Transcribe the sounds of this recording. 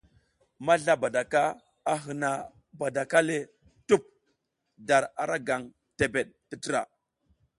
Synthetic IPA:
ma˦ɮa˦ba˨da˨ka˦ | a˨ɦə˨na˨ | ba˨da˨ka˦le˦ | tu˦p̚ | da˨ɾa˨ɾa˦ɡa˨ŋ | te˨be˨ɗ̚ti˦ti˦ɾa̰˨

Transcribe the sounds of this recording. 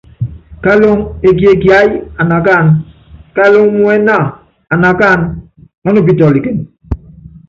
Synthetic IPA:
ka˦lo˦ŋe˨ɡi˨˦e˨ɡja˦ja˨na˨ɡa˦˨n | ka˦lo˦ŋmu˦ɛ˦na˦˨ | a˨na˨ɡa˦˨n | ɔ˦no˦˨b̬i˨tɔ˨li˨ke˨n

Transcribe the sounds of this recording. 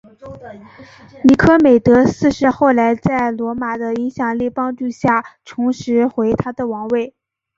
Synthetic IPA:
ni˨˧˥kʰɤ˥me˨˩ɪt̪ɤ˧˥sɹ̩˥˧ʂɻ̩˥˧xo˥˩ʊla˧˥ɪt͡sa˥˩ɪlwɔ˧˥ma˨˩d̪ə˦i˧˥ŋɕjɑ˨˩ŋli˥˩pɑ˥ŋt͡ɕu˥˧ɕja˥˩ʈ͡ʂʰʊ˧˥ŋʂɻ̩˧˥xwe˧˥ɪt̪ʰa˥d̪ə˨wɑ˧˥ŋwe˥˩ɪ

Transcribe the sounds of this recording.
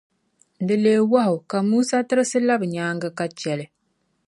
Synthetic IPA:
n̩˨dɨ˨leː˨˦wa˦ɦʊ˨ka˨muː˦sa˦tɨ˦ɾɨ˦sɨ˦la˦bɨ˨ɲaː˨˦ŋɡɨ˦ka˦t͡ʃɛ˨lɨ˨

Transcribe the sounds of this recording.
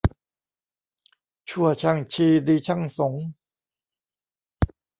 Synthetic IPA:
t͡ɕʰu˥˩ɐt͡ɕʰa˧˥˩ŋt͡ɕʰiː˧diː˧t͡ɕʰa˥˩ŋso˨˩˦ŋ

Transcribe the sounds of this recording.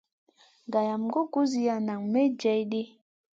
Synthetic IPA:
ɡa˨ja˨mɡo˦ku˦zi˦ja˨na˨ŋme˦d͡ʒɛ˨˦jɗi˦

